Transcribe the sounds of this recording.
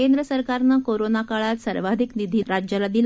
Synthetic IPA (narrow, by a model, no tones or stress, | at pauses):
end̪ɾəsəɾkaɾnakoɾonakaɭat̪səɾʋad̪ʱiknid̪ʱiɾad͡ʑjalad̪il